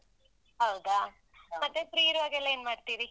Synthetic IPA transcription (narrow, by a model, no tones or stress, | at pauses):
ɦɐwd̪a | mɐt̪ːepɾiːɾʋaːɡɛlːɐeːnmaːɖt̪iɾi